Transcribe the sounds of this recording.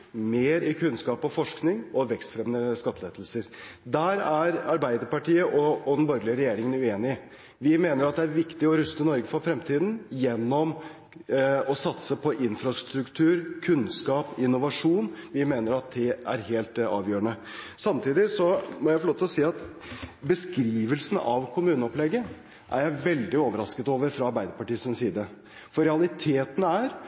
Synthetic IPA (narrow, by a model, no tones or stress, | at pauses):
meːɾɪkʰʉnskɑːpɔfɔʂknɪŋɔʋɛkst̪fɾɛmnəskɑt̪ʰːəleːd̪l̩səɾd̪æɾæɾɑɾbæɪd̪əɾpɑʈiːəʔɔɔd̪ɛnbɔɾɡlɪəɾɛjeːɾɪŋənʉeːnɪə | ʋɪmeːnəɾɑt̪̚d̪ɛæɾʋɪkt̪ɪɔɾʉst̪ənɔɾɡəfɔfɾɛmt̪ʰiːd̪n̩jɛnːɔm | ɔsɑt̪səpʰɔʔɪnfɾɑst̪ɾʉkt̪ʰʉːɾkʰʉnskɑːpɪnːʊʋɑʂuːnʋɪmeːnəɾɑt̪̚d̪ɛæ̰ɾɦeːlt̪ɑ̰ːʋjøːəɳə | sɑmt̪ʰiːd̪ɪsɔmɔjæɪfɔloːt̪ʰɛlɔsiːɑt̪ | bəskɾiːʋəlsn̩ɑʋkʰʊmʉːnəɔplɛɡə | ʔæ̰ɾjæɪʋɛld̪ɪoːʋəɾɑskət̪oːʋəɾfɾɑɑɾbæɪd̪əɾpɑʈiːəsɪnsiːd̪ə | fɔɾɛɑlɪt̪ʰeːt̪ən̩æɾ